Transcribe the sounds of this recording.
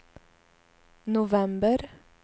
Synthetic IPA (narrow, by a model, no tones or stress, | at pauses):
nʊʋɛmbəɾ